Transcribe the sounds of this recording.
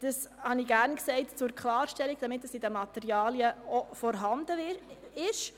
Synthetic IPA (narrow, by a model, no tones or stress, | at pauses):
d̥əshɑniɡæɾnksɛɪtt͡sʊɾkʰlɑːɾʃtɛliɡ̥̚d̥ɑmɪtːəsidəmɑt̪ɛɾjɑːljəofɔɾɦɑnd̥əɪʃ